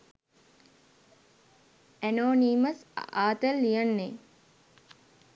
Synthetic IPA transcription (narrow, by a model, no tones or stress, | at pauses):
ænoːniːməsaːt̪əlːijənːe